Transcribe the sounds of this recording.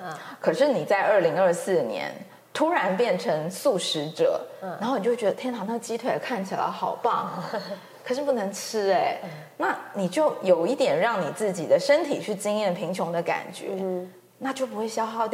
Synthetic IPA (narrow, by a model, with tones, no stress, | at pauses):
kʰɤ˨˩ʂɻ̩˥˩ni˨˩t͡sa˥˧ɪʔə˥˩li˧˥ŋə˞˥˧sɹ̩˥˩njɛ̰˧˥n | t̪ʰu˥ɻa˧˥npjɛ˥˩nʈ͡ʂʰɤ˧˥ŋsu˥˩ʂɻ̩˧˥ʈ͡ʂɤ̰˨˩a˨˧nxo˥˩ni˨˩t͡ɕo˥˩ɥɛ˧˥ə˧t̪ʰjnt̪ʰɑ˧˥ŋn˥˩ə˩t͡ɕi˥t̪ʰwe˥˩ɪ˨˩kʰa˥˩nt͡ɕʰi˨˩la̰˧˥ɪxɑ˨˩ʊpɑ˥˩ŋ | kʰɤ˨˩ʂɻ̩˥˧˩pu˥˩nɤ˧˥ŋʈ͡ʂʰɻ̩˥e˧˩ɪ | na˥˩ni˨˩t͡ɕjo˥˩ʊjo˨˩ʊi˥˩t̪jɛ˨˩nɻɑ˥˩ŋni˨˩t͡sɹ̩˥˩t͡ɕi˨˩d̪ə˦ʂə˥nt̪ʰi˨˩t͡ɕʰy˥˩t͡ɕi˥ŋjɛ˥˩npʰi˧˥ŋt͡ɕʰjʊ˧˥ŋd̪ə˧ka̰˨˩nt͡ɕɥɛ̰˧˥˦ | na˥˩t͡ɕjo˥˩ʊp̬u˧˥xwe˥˩ɪɕjɑ˥ʊxɑ˥˧ʊt̪